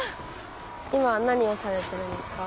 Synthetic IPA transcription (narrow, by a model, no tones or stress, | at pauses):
imanaɲ̟io̞saɾe̞t̪e̞ɾɯ̟̃nd̪e̞sɨ̥ka